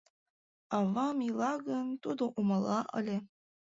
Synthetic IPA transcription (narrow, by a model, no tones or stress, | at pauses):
ɑvɑmilˠɑɡɤnt̪ud̪oʔumɑlˠɑʔɑ̰lʲe